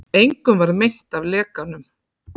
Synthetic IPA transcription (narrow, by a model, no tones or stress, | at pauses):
ejŋkʏmvaɾmeht̪avlɛːkanʏm